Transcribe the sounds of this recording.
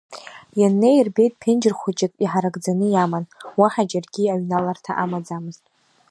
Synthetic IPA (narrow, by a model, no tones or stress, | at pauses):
janːe̞jrbe̞jtʼpʰend͡ʒɪrχʷʊt͡ʃʼɪkʼiħaɾaɡd͡zanɨjamanwaħad͡ʒarɡʲiaɥnalartʰa̰ʔamad͡zamɨztʼ